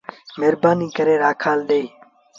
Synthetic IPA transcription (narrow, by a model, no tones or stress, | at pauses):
meːɾbaːniːkəɾeːɾaːkʰaːlɗ̪eː